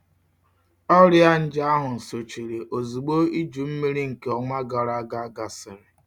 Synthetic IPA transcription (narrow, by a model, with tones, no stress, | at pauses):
ɔ˦ɾja˦n̩˦d͡ʒa˦a˦ɦʊ˨n̩˨so˨t͡ʃi˨ɾe˨ʔo˨zu˨ɡ͡bo˦i˦d͡ʒu˨m̩˦me˦ɾi˦ŋ̩˨ke˨˦ɔ˨ŋʷa˦ɡa˨ɾa˦a˦ɡa˦a˦ɡa˨sɪ˨ɾɪ˨